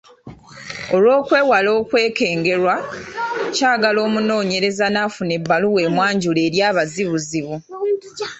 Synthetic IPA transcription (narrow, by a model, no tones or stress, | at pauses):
o̞lwo̞ːkwe̞ːwalo̞ːkwe̞ːke̞ːŋɡe̞ɾwa | caːɡalo̞ːmuno̞ːɲe̞ɾe̞zanafune̞bːaluwe̞ːmwaːɲɟule̞ːɾjaːβaziβuziβu